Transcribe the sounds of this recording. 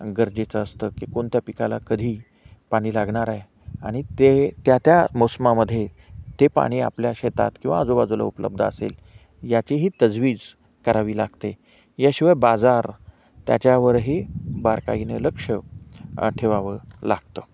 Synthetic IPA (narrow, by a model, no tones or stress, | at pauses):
ɡəɾd͡ʑet͡səəst̪əːkikoɳt̪japikalakəd̪ʱiː | paɽ̃iːlaɡɳaɾae | a̰ɽ̃it̪et̪jat̪jamosəmaməd̪ʱːje | t̪epa̰ɽ̃iːa̰pljaɕet̪a̰t̪kĩw̃ʋaːd͡zobad͡zula̰upələ̰b̚d̪ʱəəsḛl | jat͡ɕeɦiːt̪əd͡zʋiːd͡z | kəɾaʋiːlaɡt̪e | jaɕiʋajbad͡zaɾ | t̪ja̰t͡ɕjaʋəɾɦebaɾka̰inələkʂə | ʈʰeʋaʋəlaɡ̚t̪ə